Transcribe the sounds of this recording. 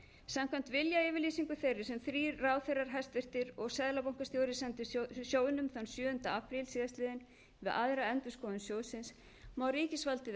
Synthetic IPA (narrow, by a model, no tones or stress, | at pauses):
samkʰvamn̥t̪vɪljaɪːvɪliːsiŋkʏθejrːɪɾ̥sɛmθɾiːraːwθɛjraɾ̥ɦast̪vɪr̥t̪ɪɾɔɣsɛðlapawŋkast̪jowɾɪsɛnt̪ʏsjoːwɪnʏmθawnsjœːðʏnt̪aapɾɪlsiːðast̪lɪːðɪn | vɪðʔaðɾaɛnt̪ʏskɔːðʏnsjoːwsɪns | mawɾiːcɪsvalt̪ɪ